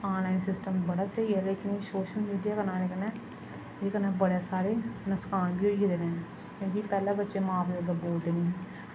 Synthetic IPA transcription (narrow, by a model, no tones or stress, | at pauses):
ãːnlaːinsɪsʈəmbəɽaːseiɛːleːkɪneːsoːʃəlmiːɖijaːkənãːneːkənɛː | eːkənɛ̃ːbəɽeːsaːɾeːnəskaːnbʱiːoiid̪eːnɛ̃ːn | kõːkipɛːlaːbətːʃeːmaːbləɡ̪əboːld̪eːnẽ